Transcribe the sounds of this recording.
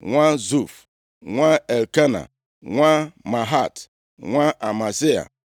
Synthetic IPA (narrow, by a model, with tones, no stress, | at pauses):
ŋʷa˦zu˦˨f | ŋʷa˦e˨lke˦na̰˨ | ŋʷa˦ma˨ɦa˦˨t | ŋʷa˦ʔa˨ma˨si˦a̰˨